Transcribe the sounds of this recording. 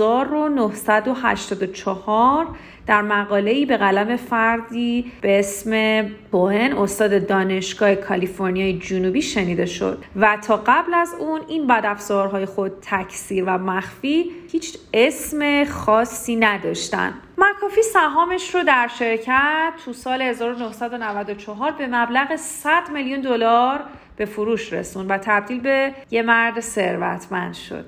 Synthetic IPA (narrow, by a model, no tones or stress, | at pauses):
zɒːɾo̞nohsæd̪o̞ɦæ̰ʃt̪ɒːd̪ot͡ʃʰɒhɒɾ | d̪̥æɾmæɣɒːle̞iːbe̞ɣælæme̞fæɾd̪iːb̥ee̞sme̞bohe̞no̞st̪ɒːd̪e̞d̪ɒːne̞ʃɡ̥ɒːhekʰɒlifo̞ɾnijɒːjed͡ʒunubiːʃe̞niːd̪e̞ʃo̞̰d̪̥̚væt̪ʰɒːɢæblæzuninbæd̪æfz̥ɒɾɦɒːje̞xo̞d̪̥̚t̪ʰæcʰsiːɾvæmæxfihiːt͡ʃʰe̞sme̞xɒːsːiːnæd̪ɒːʃt̪æ̰nd̪̥ | mækʰɒːfiːsæɦɒːme̞ʃrod̪æɾʃe̞ɾcʰæt̪ʰːusɒːlehe̞zɒːɾonohsæd̪onævæd̪ot͡ʃʰɒɦɒːɾbe̞mæblæɣesæd̪meljund̪olɒɾ | b̥e̞fuɾuːʃɾḛsund̪væt̪ʰæb̚d̪iːlbe̞je̞mæɾd̪se̞ɾvæ̰t̪ʰmænd̪̥ʃo̰d̪̥